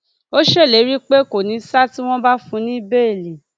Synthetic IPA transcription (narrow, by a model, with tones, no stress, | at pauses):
o˦ʃe˦˨le˨˦ɾi˦k͡pe˦ko˨nĩ˨˦sa˦ti˦w̃ɔ̃˦ba˦fũ˨˦nĩ˦be˦e˨le˨